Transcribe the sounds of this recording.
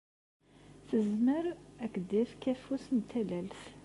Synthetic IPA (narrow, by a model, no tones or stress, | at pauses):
θəzməɾækːd̪ifkæfusnt̪ʰːælælθ